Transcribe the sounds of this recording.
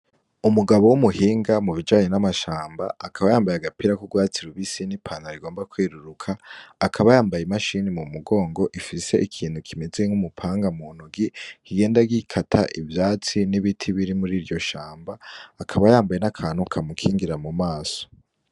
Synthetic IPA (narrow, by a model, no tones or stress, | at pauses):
umuɡaβo̞wumuhiːŋɡamuβid͡ʒaːɲenamaʃaːmba̰ːkʰaβajaːmbajaɡapiɾakuɡwaːt͡siɾuβisinipʰaːnaɾiɡo̞ːmbakwiːɾuɾukʰaːkʰaβajaːmbajimaʃiːnimumuɡo̞ːŋɡo̞ʔifise̞ʔikʰiːn̥hukʰimeze̞ŋumupʰaːŋɡamuːn̥uɡihiɡe̞ːndaɡikʰatʰa̰ʔivjaːt͡siniβitʰiβiɾimuɾiːɾɟo̞ʃaːmbaːkʰaβajaːmbaje̞nakʰan̥ukʰamukʰiːŋɡiɾamumaːso̥